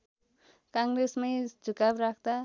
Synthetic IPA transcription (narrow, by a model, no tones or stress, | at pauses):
kaŋɡɾesmajd͡ʒukapɾak̚ʰt̪a